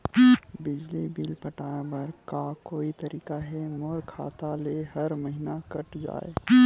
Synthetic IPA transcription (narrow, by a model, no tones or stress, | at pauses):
bɪd͡ʒlibiːlpɐʈãːbɐɾkakoːit̪ɐɾiːkaɦɛmoɾkʰa̰ːt̪aleːɦɐɾmɐɦinakɐʈd͡ʒa̰ːḛ